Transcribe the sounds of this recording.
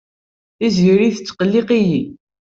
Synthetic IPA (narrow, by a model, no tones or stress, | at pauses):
θizʝiɾiθət͡sːqəlːiqiji